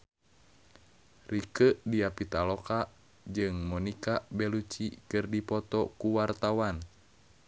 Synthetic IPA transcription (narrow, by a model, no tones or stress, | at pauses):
rikəʔdiapit̪alɔka | d͡ʒɨŋmɔnikabɛlut͡ʃikɨrdipɔt̪ɔkuwart̪awan